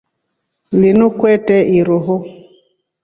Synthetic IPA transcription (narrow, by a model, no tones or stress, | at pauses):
linukwɛtɛʔiɾoɦo